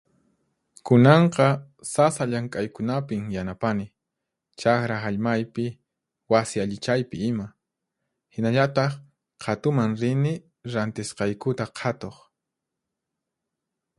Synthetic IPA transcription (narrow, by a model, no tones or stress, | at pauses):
kʊnɑɴqɑ | sasaʎaŋkʼajkʊnapɪmjanapanɪ | t͡ʃaxɾaaʎmajpɪ | wasɪaʎɪt͡ʃajpɪɪma | hɪnaʎat̪ɑχ | qʰɑt̪ʊmaŋɾɪnɪ | ɾant̪ɪsqɑjkʊt̪aqʰɑt̪oχ